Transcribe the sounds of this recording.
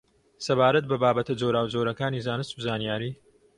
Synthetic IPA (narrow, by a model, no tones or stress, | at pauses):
sɐbaːɾɐt̪̚bɐbaːbɐt̪ɐd͡ʒowɾaːwd͡ʒoːɾɐkaːniːzaːnɨst̪bzaːnijaːɾiː